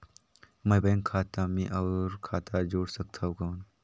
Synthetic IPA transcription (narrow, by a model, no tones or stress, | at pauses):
mɐjbɐ̃ːŋkʰaːt̪amĩʔɐːɾkʰaːt̪ad͡ʒoːɽsɐk̚t̪ʰaokoːn